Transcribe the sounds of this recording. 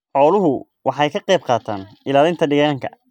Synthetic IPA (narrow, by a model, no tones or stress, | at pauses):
ħɔːlʊɦʊ | wʔɑħɑjkʰɐqɛjb̚qɑːt̪ʰa̰ːn | ɪlaːlɪnt̪ʰɐɖɪɣaːŋkʰɐ̰